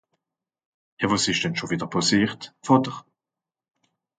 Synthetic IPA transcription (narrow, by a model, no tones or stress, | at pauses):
jɑvosɪʃd̥ɛnʃoviːdəʁpʰosiːʁtfɔdəʁ